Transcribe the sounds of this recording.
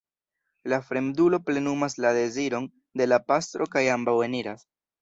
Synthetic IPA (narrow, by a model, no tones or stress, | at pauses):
lafɾe̞mdulo̞ple̞numaslade̞ziɾo̞n | de̞lapast̪ɾo̞kajambawe̞niɾas